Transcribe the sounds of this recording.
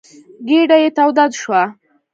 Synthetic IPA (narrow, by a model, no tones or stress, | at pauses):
ɡeɖajet̪awd̪ad̪ʃwa